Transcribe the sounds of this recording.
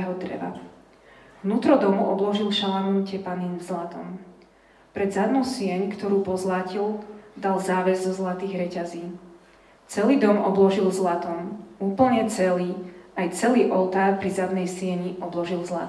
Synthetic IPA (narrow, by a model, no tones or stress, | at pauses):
ɦɔd̪ɾɛ̰ʋa̰ | vnuːt̪ɾɔd̪ɔmuʔɔblɔʒilʃalanumcɛpaniːnvzlat̪ɔm | pɾɛd̪zad̪nɔʊsɪɛɲkt̪ɔɾuːpɔzlacild̪alzaːʋɛzzɔzlat̪iːɣɾɛcaziː | t͡sɛliːd̪ɔmʔɔblɔʒilzlat̪ɔmuːpl̩ɲɛt͡sɛliːajt͡sɛliːʔɔʊt̪aːɾpɾizad̪nɛjsɪɛɲiʔɔblɔʒilzla̰